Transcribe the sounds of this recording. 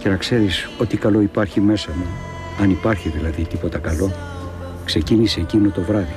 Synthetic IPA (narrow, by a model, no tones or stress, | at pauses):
ce̞nɐkse̞ɾiso̞t̪ikɐlo̞ipɐɾçime̞sɐmu | ɐnipɐɾçiðilɐðit̪ipo̞t̪ɐkɐlo̞ | kse̞ciniseːcinot̪o̞vɾɐði